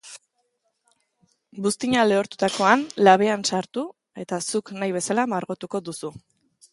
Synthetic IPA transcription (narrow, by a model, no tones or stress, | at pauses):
bust̪iɲale̞oɾt̪ut̪ako̞anlaβ̞e̞ansaɾt̪u | e̞t̪asuknajβ̞e̞salamaɾɣot̪uko̞ðusu